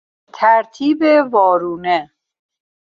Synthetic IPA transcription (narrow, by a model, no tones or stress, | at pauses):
t̪ʰæɾt̪ʰiːbevɒːɾuːne